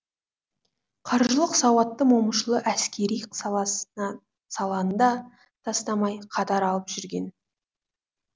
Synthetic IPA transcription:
qʰɑɾʒəlˠəqsɑwɑt̪ːəmoməʃəlˠəʔæskʲe̞ɾij | sɑlˠɑənd̪ɑ | t̪ʰɑst̪ɑmɑjqʰɑt̪ɑɾɑlˠəpʒ̥ʏɾɡʲe̞n

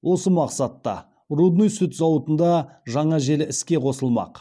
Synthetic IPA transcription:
wʔo̞səmɑqsɑt̪ːɑ̰ | rud̪nojsʏt̪zɑwət̪ənd̪ɑʒɑɴɑʒe̞lɪɪskʲe̞qʰo̞səlˠmɑ̰q

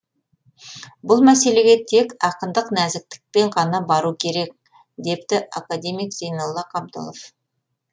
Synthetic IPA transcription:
bʊlˠmæse̞le̞ɡʲe̞t̪ʰe̞kɑqənd̪əqnæzɪk̚t̪ɪ̥k̚pe̞ɴqʰɑnɑbɑɾukʲʰe̞ɾe̞k̚ | d̪e̞pt̪ɪʔa̰kad̪e̞mijkz̥ejnolˠːɑqʰɑb̚d̪o̰lˠof

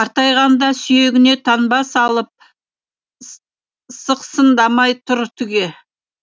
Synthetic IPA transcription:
ɑɾt̪ɑjʁɑnd̪ɑsʏje̞ɡʲɪne̞t̪ʰɑnbɑsɑlˠəp̚ | səqsənd̪ɑmɑjt̪ʰʊɾt̪ʰʏɡʲe̞

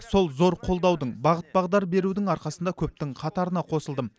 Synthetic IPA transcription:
so̞lˠzo̞ɾqʰo̞lˠd̪ɑwd̪əɴbɑʁət̪̚bɑʁd̪ɑɾbe̞ɾud̪ɪŋɑɾqɑsənd̪ɑkʲʰɵp̚t̪ɪŋqʰɑt̪ɑɾənɑqʰo̞səlˠd̪əm

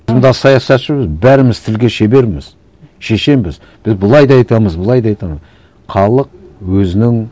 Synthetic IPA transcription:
zmd̪ɑsɑjɑsɑt̪ʃɪbɪzbæɾɪmɪzt̪ʰɪlɡʲe̞ʃe̞be̞ɾmɪz̥ | ʃe̞ʃe̞mbɪz | b̥ɪzbʊlˠɑjd̪ɑɑjt̪ɑməzbəlˠɑjd̪ɑɑjt̪ɑməz | χʰɑlˠəq̚wɵzɪnɪŋ

